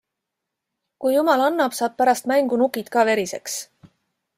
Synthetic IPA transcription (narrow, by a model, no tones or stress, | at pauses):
kujːumɑlɑnːɑb̥sɑːb̥̚pæɾɑst̪mæŋɡ̥unukit̪kɑːve̞ɾise̞ks